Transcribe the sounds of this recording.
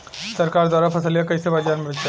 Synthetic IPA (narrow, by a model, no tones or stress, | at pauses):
sɐɾkaːɾd̪waːɾapʰɐsəljakɐɪsebaːd͡ʒaːɾmebɪʃ